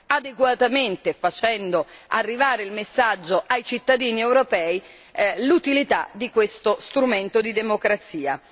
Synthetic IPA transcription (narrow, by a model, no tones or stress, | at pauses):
ad̪eɡwat̪ament̪efat͡ʃɛnd̪oarːivaːɾeilmesːad͡ʒːoʔajt͡ʃit̪ːad̪iːniɛwɾopɛːi | lut̪ilit̪a̰d̪ikwest̪ost̪ɾument̪od̪id̪emokɾat̪siːa